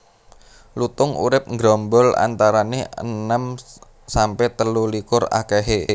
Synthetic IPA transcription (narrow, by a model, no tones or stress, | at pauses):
lut̪ʊŋṵɾɪp̚ŋɡɾɔmbɔla̰nt̪aɾanehə̰nəm | sampɛt̪əlulikʊra̰keɦe